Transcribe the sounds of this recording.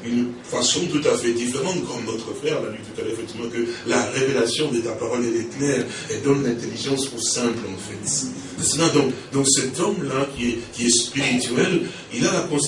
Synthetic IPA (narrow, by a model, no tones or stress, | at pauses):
ynfasɔ̃t̪ut̪afɛd̪ifeʁɑ̃t̪kɔmnɔt̪χəfχɛʁlalyt̪ut̪alœʁefɛkt̪ivmɑ̃kəlaʁevelasjɔ̃d̪etapaʁɔleleklɛʁ | ɛd̪ɑ̃nɛ̃t̪eliʒɑ̃sosɛ̃plɑ̃fɛt̪ | eslad̪ɔ̃kd̪ɔ̃ksɛt̪ɔmlakʲiɛkʲiɛspiʁit̪ɥɛl | ilalakɔ̃s